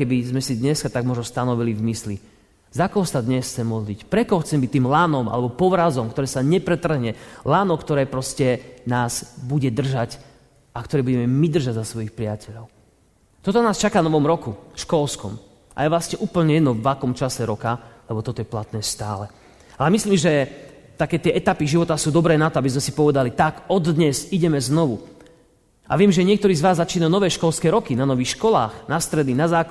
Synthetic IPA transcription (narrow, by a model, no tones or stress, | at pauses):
kɛbizmɛsid̪ɲɛskat̪aɡ̚mʊɔʒnɔst̪anɔʋilivmisli | zakɔɦɔsad̪ɲɛsxt͡sɛmɔd̪licpɾɛkɔɦɔxt͡sɛmbict̪iːmlaːnɔmʔa̰lɛbɔpɔʋɾazɔmkt̪ɔɾɛːsaɲɛpɾɛt̪r̩ɦɲɛlaːnɔkt̪ɔɾɛːpɾɔscɛnaːz̥buɟɛd̪r̩ʒac | akt̪ɔɾɛːbuɟɛmɛmid̪r̩ʒaɟzasʋɔjixpɾɪacɛʎɔʊ | t̪ɔt̪ɔnaːst͡ʃakanɔʋɔmɾɔkuʃkɔlskɔ̰m | ʔa̰jɛʋlastɲɛʔuːpl̩ɲɛjɛd̪nɔvːakɔmt͡ʃasɛɾɔkalɛbɔt̪ɔt̪ɔjɛplat̪nɛːst̪a̰ːlɛ | ʔalɛmisliːmʒɛ | t̪akɛːt̪ɪɛʔɛt̪apiʒiʋɔt̪asuːd̪ɔbɾɛːnat̪ɔabizmɛsi̥pɔʋɛd̪alit̪akɔd̪ɲɛziɟɛmɛznɔʋu | ʔa̰ʋɪɛmʒɛɲɪɛk̚t̪ɔɾiːzʋaːzːat͡ʃiːnaunɔʋɛːʃkɔlskɛːɾɔkinanɔʋiːxʃkɔla̰ːxnast̪ɾɛd̪ninazaːk